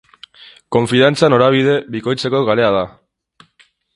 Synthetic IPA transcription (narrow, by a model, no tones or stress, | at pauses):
ko̞ɱfiðant͡sano̞ɾaβ̞ið̞e̞βiko̞jt͡se̞ko̞ɣale̞að̞a